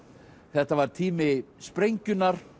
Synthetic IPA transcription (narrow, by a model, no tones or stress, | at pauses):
θɛht̪avaɾ̥t̪ʰiːmɪspɾejɲcʏnaɾ̥